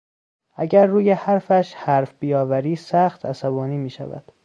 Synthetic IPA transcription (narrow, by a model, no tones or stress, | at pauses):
ʔæɟæɾːuːjehæɾfæʃhæɾfb̥ijɒːvæɾiːsæxt̪ʰæsæbɒːniːmiːʃæ̰væ̰d̪̥